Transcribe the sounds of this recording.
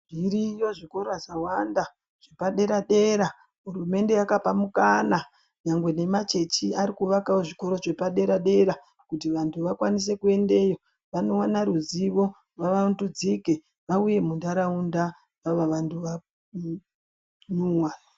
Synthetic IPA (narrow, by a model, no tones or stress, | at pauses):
mʱiɾijo̞ʐiko̞ɾoazawanda | ʐ̥e̞paɗe̞ɾaɗe̞ɾa | ɦurume̞nde̞jakapamukana | ɲaŋɡwe̞ne̞mat͡ʃe̞t͡ʃiaɾikuʋakawoʐiko̞ɾo̞ʐe̞paɗe̞ɾaɗe̞ɾa | kutiʋantʰuʋakwanis̬e̞kue̞nde̞jo̞ | ʋano̞wanaɾuziʋo̞ | ʋaʋaundud͡zike̞ | ʋauje̞mundaɾaunda | ʋaʋaʋantʰuʋa | nuwa